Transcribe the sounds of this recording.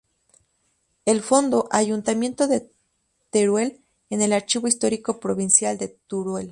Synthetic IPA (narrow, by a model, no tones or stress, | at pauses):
e̞lfo̞nd̪o̞ʔaʝunt̪amjẽ̞nt̪o̞ðe̞ | t̪eɾwe̞l | ene̞laɾt͡ʃiβo̞ist̪o̞ɾiko̞pɾo̞βinsjald̪e̞t̪uɾwel